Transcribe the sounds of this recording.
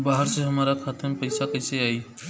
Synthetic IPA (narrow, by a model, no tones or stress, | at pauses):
baːɦəɾseɦəmaːɾakʰaːt̪ʰəmpəɪsakəɪseaːi